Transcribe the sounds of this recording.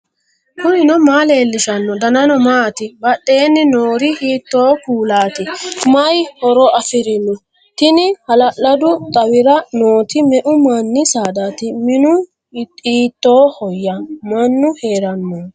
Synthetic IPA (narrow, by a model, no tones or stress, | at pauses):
kʊnɪnɔmaːleːlːɪʃɐnːɔd̪ɐnɐnɔmaːt̪ɪbɐɗʼːeːnːɪnoːɾɪhiːt̪ːo̞ːkuːlaːt̪ɪmɐjhɔɾɔɐfɪɾɪnʊ | t̪ɪnɪhɐlɐlːɐd̪ʊt̪ʼɐwɪɾɐnoːt̪ɪmɛʔʊmanːɪsaːd̪aːt̪ɪmɪnʊ | iːt̪ːo̞ːhɔjːɐmɐnːʊhe̞ːɾɐnːoː